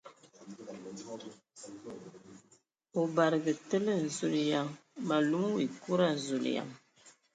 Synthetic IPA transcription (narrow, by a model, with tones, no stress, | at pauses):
o˨ba˨ɾɨ˨ɡɨ˨tɨ˦lɨ˦˨n̩˨zu˨lja˦mma˨lu˦ŋ˦wi˨ku˦ɾa˦n̩˨zu˨l̰ja̰˦m